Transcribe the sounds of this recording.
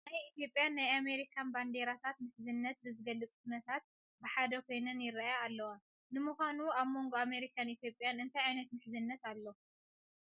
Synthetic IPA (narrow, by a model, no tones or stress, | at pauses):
najit̪jo̞pʼjanːajame̞ɾikʰanband̪eɾat̪ʰat̪mɨħzɨnːɐt̪̚bɨzɨɡɐlːɨt͡sʼk̚ʰunɐt̪ʰat̪̚ | bɨħad̪ɐkʰo̞jnɨnjɪɾajaːlːɐwa | nɨmuxʷanuaβmo̞ŋɡoame̞ɾikʰanit̪jo̞pʼjanɨnt̪ʰajʕajnɐt̪mɨħzɨnːɐt̪alːo